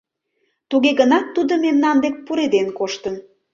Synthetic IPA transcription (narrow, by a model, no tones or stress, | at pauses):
t̪uɣeɣənɑt̪ːud̪omemnɑnd̪ek̚puɾed̪enkoʃt̪ən